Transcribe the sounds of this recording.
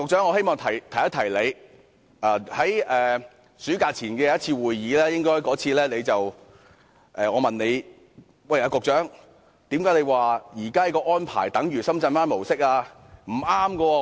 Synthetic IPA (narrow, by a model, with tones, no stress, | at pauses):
kʊ˨k̚t͡ʃœː˨˥ŋɔː˨˧ɦe˥jmɔː˨ŋt̪ʰɐ˨˩jt̪ʰjɐ˥t̪ʰɐ˨˩jle˨˧j | ʔaː˨˧hɐ˨˥jʔɛː˨ | sy˨˥kaː˧t͡sʰiː˨˩nkɛː˧a˧˦ɐ˥t̚t͡sʰiː˧wuː˨jːiː˨˥lɛː˥jɪ˥ŋkɔː˥jkɔː˨˥t͡sʰiː˧lɛː˥le˨˧jt͡sɐ˨w | ʔɛː˨ŋɔː˨˧mɐ˨nle˨˧j | wɐ˨jaː˨˧kʊ˨k̚t͡ʃœː˨˥ŋ | t̪i˨˥mkaː˨˥jle˨˧jwaː˨jiː˨˩kaː˥ɐ˨˧kɔː˧ʔɔː˥npʰa̰ː˨˩jt̪ɐ˨˥ŋjyː˨˩sɐ˥mt͡sɐ˧nfaː˥nmo˨˩wsɪ˥k̚aː˧ | m̩˨˩ʔaː˥mkɔ˧ɔ˧